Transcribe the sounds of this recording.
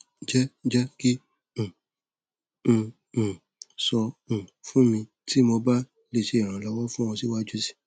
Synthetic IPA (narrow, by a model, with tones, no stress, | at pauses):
d͡ʒɛ˦d͡ʒɛ˦kĩ˦˨ | sɔ̃˧˨fũ˦mĩ˧ | tʰi˦mo˧ba˦ | le˨˧˨ʃe˧˨ɾ̃ã˨lɔ˨˦wɔ˦fũ˦w̃ɔ̃˧si˦wa˦d͡ʒu˦si̥˦